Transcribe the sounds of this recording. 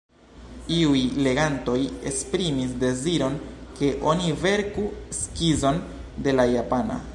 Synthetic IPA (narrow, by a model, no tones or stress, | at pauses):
iujle̞ɡanto̞jespɾimisde̞ziɾo̞nke̞ʔo̞nive̞ɾkuskizo̞n | de̞lajapana̰